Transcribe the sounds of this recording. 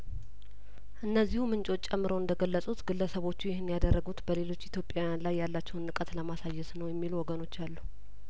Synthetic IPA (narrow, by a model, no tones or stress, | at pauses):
ʔɨnːəzːihumɨnt͡ʃʼo̞t͡ʃːʼɛmːɨɾowɨnd̪əɡəlːəsʼut̪ɡɨlːəsəβo̞t͡ʃːujɛhɪnjad̪ərːəɡut̪bəle̞lo̞t͡ʃːit̪ʰjo̞pʼjajanlajːalːat͡ʃːɛwnːɨkʼət̪ləmasajːɛsnəwjɛmːiluwɔɡəno̞t͡ʃːalːu